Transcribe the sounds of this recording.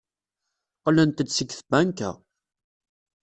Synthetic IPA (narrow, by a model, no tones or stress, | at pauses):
qlənt̪ədsəɡθbænkæ̰